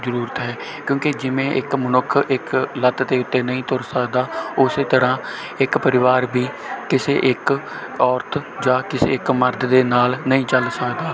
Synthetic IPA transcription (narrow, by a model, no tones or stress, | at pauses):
zəɾuːɾət̪ɦɛː | kjõːked͡ʒɪmẽːʔɪkmənʊkʰːɪklət̪d̪eːʊt̪ːeːnəĩːt̪ʊɾsəkd̪aːʊseːt̪əɾãː | ɪkpəɾɪʋaːɾbiː | kɪsḛːʔɪk | ɔːɾt̪ʰd͡ʒãːkɪsḛːɪkməɾd̪d̪eːnaːlnəĩːt͡ʃəlsəkd̪aː